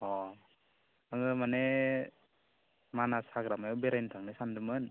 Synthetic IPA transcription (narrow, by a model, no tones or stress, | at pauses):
ɔ | aŋɯmane | manasaɡɾamajɔbeɾajntʰaŋnisandɯmɯn